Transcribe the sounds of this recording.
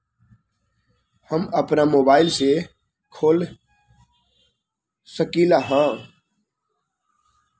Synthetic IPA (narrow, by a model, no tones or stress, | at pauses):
həməpnamoːbaːɪlse | kʰoːl | səkiːlaɦãː